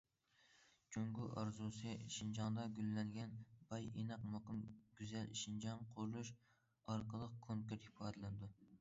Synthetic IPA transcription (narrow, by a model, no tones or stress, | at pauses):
t͡ʃʰøŋɡʲuʔɑɾzusɨʃind͡ʒɑŋd̪ɑɡʲylːɛŋɡʲɛnbɑjenɑqmɑqʊmɡʲyzɛlʃind͡ʒɑnqʰʊɾlˠuʃ | ɑɾqəlˠəq̚kʰoŋkʲuɾt̪hipʰɑːd̪ɪlɪnɪd̪u